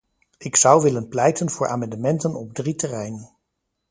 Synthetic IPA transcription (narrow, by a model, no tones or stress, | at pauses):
ɪksʌwʋɪlənplɛjtənv̥ʊːɹʔa̰ːmɑndəmɛntənɔb̚dritərɛjnən